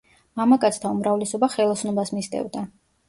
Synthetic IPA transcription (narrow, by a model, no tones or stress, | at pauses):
mamakʼat̪sʰt̪ʰaumɾavlɛsɔbaχɛlˠɔsnɔbasmist̪ʼɛ̰vd̪a